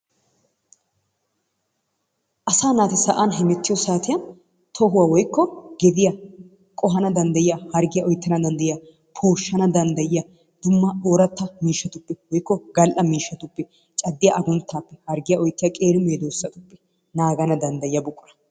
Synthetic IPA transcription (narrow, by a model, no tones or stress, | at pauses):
ʔɐsaːnaːt̪ɛsɐʔaːnɦɛmɛt̪ːɪjɔsaːt̪ɪjɐn | t̪ʰɔɦʊwawɔjkːɔɡɛd̪ɪjɐ | kʼɔɦɐnɐd̪ɐnd̪ɐjɪjɐhɐɾɡɪjɐʔɔjt̪ːɐnɐd̪ɐnd̪ɐjɪjɐ | pʰoːʃːɐnɐd̪ɐnd̪ɐjɪjɐ | d̪̥ʊmːɐoːɾɐt̪ːɐmiːʃːɐt̪ʊpːɛwɔjkːɔɡɐlʔɐmiːʃːɐt̪ʊpːɛ | t͡ʃʼɐd̪ːɪjɐʔɐɡʊnt̪ːaːpːɛhɐɾɡɪjɐʔɔjt̪ːɪjɐkʼeːɾɪmeːd̪oːsːɐt̪ʊpːɛ̥ | naːɡɐnɐd̪ɐnd̪ɐjɪjɐbʊkʼːʊɾɐ̥